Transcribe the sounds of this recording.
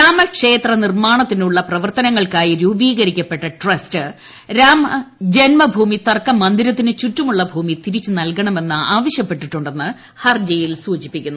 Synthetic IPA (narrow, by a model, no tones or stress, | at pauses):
ɾaːmɐkʂe̞ːt̪rɐnirmaːɳɐt̪ːinuɭːɐprɐʋɐrt̪ɐnɐŋːɐɭkaːjiɾuːbiːɣɐɾikʲːɐpːe̞ʈːɐʈrɐstɨ | ɾaːmɐd͡ʑe̞nmɐbʱuːmit̪ɐrkːɐmɐnd̪iɾɐt̪̬ːinɨt͡ɕutːumuɭːɐbʱuːmit̪iɾit͡ɕːɨnɐlkɐɳɐme̞nːɨaːʋɐɕjɐpːe̞ʈːiʈːuɳɖe̞nːɨ | hɐrd͡ʑejilsuːd͡ʑipːikʲːunː